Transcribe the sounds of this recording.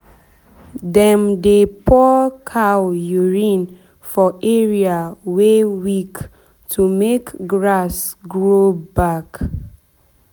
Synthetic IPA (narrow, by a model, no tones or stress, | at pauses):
dɛ̃mdepʰɔkʰawjuɹĩn | fɔʔeɹiawewik | tʰumekɡɹasɡɹobak